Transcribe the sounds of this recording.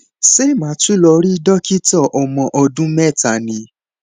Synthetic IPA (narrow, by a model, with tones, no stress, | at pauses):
se˦˨mãː˨˦tu˦lɔ˧ɾi˦dɔ˦ki˦tɔ˦˨ʔɔ˨mɔ̃˨ʔɔ˧dũ˦mɛ˦˨ta˨nĩ˨˦